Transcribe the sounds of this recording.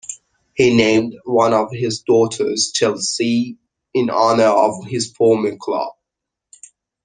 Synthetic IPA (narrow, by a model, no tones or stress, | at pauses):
hinẽɪ̃mdwʌ̃nəv̥ɪzdɔˑtʰə̰z̥t͡ʃʰɛlˠsi | ɪ̃nɑnə˞ə̰v̥ɪz̥fɔːməkʰl̥ʌ̰b̥̚